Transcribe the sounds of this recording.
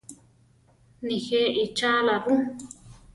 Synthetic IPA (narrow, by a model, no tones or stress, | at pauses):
nĩxeʔit͡ʃalaβũ